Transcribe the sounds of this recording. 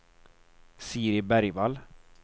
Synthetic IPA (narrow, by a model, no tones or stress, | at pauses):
siːɾɪbæɾjval